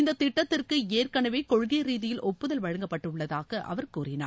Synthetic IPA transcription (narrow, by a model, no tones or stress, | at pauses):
ɪnd̪ɐt̪ːɪʈːɐt̪ːɪrkɯeːrkɐɳɐʋeːkɔɻʊɣɐɾiːðɪjɪlʔɔpːɯðɐlʋɐɻɐŋɡɐpːɐʈːɯʊɭːɐðaːɣɐʔɐ̰ʋɐɾkuːrɪna̰ːɾ